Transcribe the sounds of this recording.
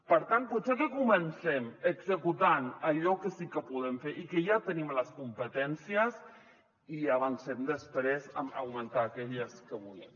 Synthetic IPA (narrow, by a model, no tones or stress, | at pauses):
pəɾt̪ant̪put̪sekəkumənsɛməɡzəkut̪anaʎɔkəsikəpuðemfeɾʔikəjat̪ənimləskumpət̪ɛnsiəs | iaβansemd̪əspɾezə̰mə̰wmənt̪aːkɛʎəskəβulem